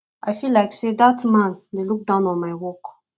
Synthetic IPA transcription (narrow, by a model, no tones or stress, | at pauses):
ʔaɪfilːaɪksedatmãnleluk̚dãʊ̃nɔ̃nmaɪwɔk